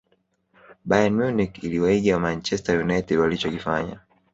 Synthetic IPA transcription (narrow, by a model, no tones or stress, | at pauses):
ɓajanmjunikiliwaiɡiwamant͡ʃɛstajunajtɛdwalit͡ʃɔkifaɲa̰